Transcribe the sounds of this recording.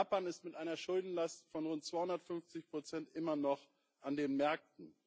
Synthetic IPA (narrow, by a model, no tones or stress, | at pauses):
paːnɪstmɪtʔaɪnɐʃʊldn̩lastfɔnʁʊnt̚t͡sv̥aɪhʊndɐtfʏnft͡sɪçpʁ̥ot͡sɛntʔɪmɐnɔχ | ʔandeːnmɛɐk̚tn̩